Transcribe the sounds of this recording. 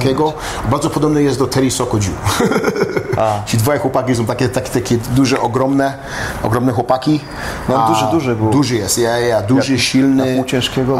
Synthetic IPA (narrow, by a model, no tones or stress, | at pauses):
kʲɛɡɔ | baɾd̪zɔpɔd̪ɔbnɨjɛst̪̚d̪ɔt̪ʰɛɾʲisɔkɔd͡ʑṵ | at͡ɕid̪vɔjɛxwɔpakʲisɔ̃t̪akʲɛt̪akʲt̪akʲɛd̪uʐɛʔɔɡɾɔmnɛ | ɔ̰ɡɾɔmnɛxwɔpakʲi | nd̪ud̪uʐɨbd̪uʐɘjɛst̪jɛjad̪uʐɘɕilnɪt͡ɕɛ̃ʂkʲɛɡɔ